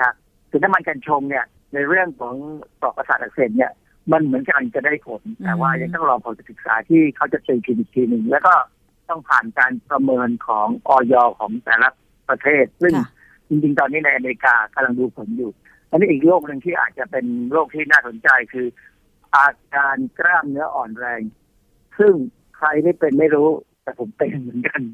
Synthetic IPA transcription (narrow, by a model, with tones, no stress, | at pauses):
kʰa˦˥ | sʰɯː˨˩˦na˦˥mːa˧nkaː˧nt͡ɕʰo˧mni˥˩ɐ | na˧jɾɯ˥˩əŋkʰɔː˩˦ŋsɔː˨˩k̚ːa˧saː˨˩t̪ʔa˨˧k̚seː˨˩t̪̚ni˥˩ɐ | ma˧nmɯ˩˦ənka˧˩˧t͡ɕa˨˩daː˥˩jpʰo˩˦nt̪ɛː˨˩waː˥˩ja˧˩ŋt̪ɔː˥˩ŋɾɔː˧pʰa˨˦t͡ɕa˨˧˩sɯ˨˩k̚sa̰ː˩˦t̪ʰiː˥˩kʰa˦˥wt͡ɕa˨˩t̪i˧t͡ɕ̪ʰiː˧mi˨˩t̪ʰːiː˧nɯ˧ŋlɛː˦˥wkɔː˥˩ | t̪ɔ˥˩ŋpʰaː˨˩nkaː˧npɾa˧mɤː˧nkʰɔː˩˦ŋʔɔː˧jɔː˧kʰɔ̰ː˩˦ŋt̪ɛ̰ː˨˩la˦ | pɾa˧t̪ʰeː˥˩t̪̚sɯ˥˩ŋ | t͡ɕi˧ŋt͡ɕi˧ŋt̪ɔː˧nːiː˦˥na˧jʔa˧meː˧ɾi˧kaː˧ka˧mla˧ŋduː˧pʰo˩˦njuː˨˩ | ʔʔa˧nːiː˦˥ʔiː˨˩k̚loː˥˩k̚nɯ˨˧ŋt̪ʰiː˥˩ʔa̰ː˨˩t̪̚t͡ɕa˨˩pe˧nloː˥˩k̚t̪ʰiː˥˩naː˥˩so˩˦nt͡ɕa˧jkʰɯː˧ | ʔaː˧kaː˧nkɾaː˥˩mnɯ˦˥ɐʔɔː˨˩nɾɛː˧ŋ | sɯ˥˩ŋ | kʰɾa˧jda˥˩jpe˧nma˥˩jɾuː˦˥t̪ɛː˨˩pʰo˩˦mpe˧nmɯ˩˦nka˧n